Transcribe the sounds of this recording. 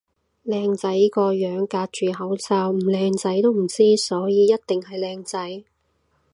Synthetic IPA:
lɛː˧ŋt͡sɐ˨˥jkɔː˧jœː˨˥ŋkaː˧t̚t͡ʃyː˨hɐ˨˥wsaː˧wm̩˨˩lɛː˧ŋt͡sɐ˨˥jt̪o˥wm̩˨˩t͡siː˥sɔː˨˥jiː˨˧jɐ˥t̚t̪ɪ˨ŋhɐ˨jlɛː˧ŋt͡sɐ˨˥j

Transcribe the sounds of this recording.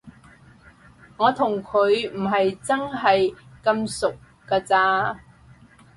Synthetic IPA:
ŋɔː˨˧t̪ʰʊ˨˩ŋkʰɵ˨˧ɥm̩˨˩ɦɐ˨jt͡sɐ˥nɦɐ˨jkɐ˧msʊ˨k̚ːaː˧t͡saː˧

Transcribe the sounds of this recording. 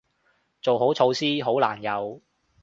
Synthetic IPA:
t͡so˨wɦo˨˥wt͡sʰo˨˧wsiː˥ɦo˨˥wla̰ː˨˩njɐ˨˧w

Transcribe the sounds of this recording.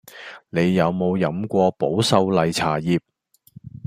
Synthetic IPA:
ne˨˧jːɐ˨˧wmo˨˧wjɐ˨˥mkʷɔː˧po˨˥wsɐ˧wlɐ˨jt͡sʰaː˨˩jiː˨p̚

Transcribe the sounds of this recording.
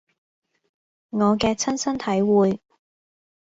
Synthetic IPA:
ŋɔː˨˧kɛː˧t͡sʰɐ˥nsɐ˥nt̪ʰɐ˨˥jwuː˨j

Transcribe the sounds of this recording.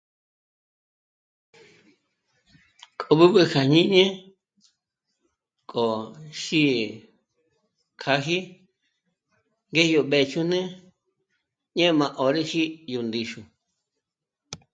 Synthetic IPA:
kʰʼo˧βɨ˦βɨ˧kʰa˨ɲĩ˦ɲẽ˦ | kʼo˨ʃi˦˧ | kʰa˧ɦi˦ | ŋɡe˦˧jo˧ɓe˧˨t͡ʃu˧nẽ˦ | ɲẽ˦˧mã˧ʔo˨ɾe˦ʃi˦ju˧nd̪i˧ʃu˧

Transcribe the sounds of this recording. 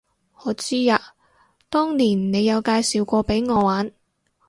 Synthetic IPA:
ŋɔː˨˧t͡siː˥jaː˧ | t̪ɔː˥ŋniː˨˩nne˨˧jɐ˨˧wkaː˧jsiː˨wkʷɔː˧pe˨˥jŋɔː˨˧waː˨˥n

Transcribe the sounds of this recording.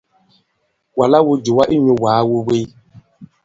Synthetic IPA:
wa˨la˦wu˦d͡ʒu˨wa˦ʔi˦ɲu˨waː˨˦wu˦we˦j

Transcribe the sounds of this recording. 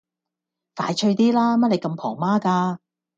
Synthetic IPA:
fa̰ː˨˥jt͡ʃʰɵ˧ɥt̪iː˥laː˥mɐ˥le˨˧jkɐ˧mpʰɔː˨˩maː˥kaː˧

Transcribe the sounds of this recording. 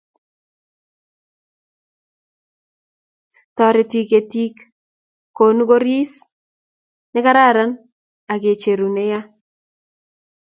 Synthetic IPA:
tɔ˨ɾe˨ti˦ke˨ti˦kː | o˨nu˦ɡo˦ɾi˦s | nɪ˦ka˦ɾa˦˨ɾa˦n | a˨k̬e˨t͡ʃe˨ɾu˨ne˦ja˦

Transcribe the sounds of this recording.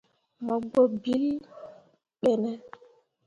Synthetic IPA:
mɔ˨ɡ͡bo˦bi˦l | ɓɛ˨nɛ˦

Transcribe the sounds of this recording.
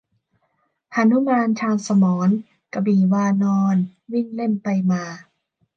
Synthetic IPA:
ʔa˧nu˦˥maː˧nt͡ɕʰaː˧nsa˧mɔː˩˦n | ka˧biː˨˩waː˧nɔː˧nwi˥˩ŋle˥˩mpa˧jmaː˧

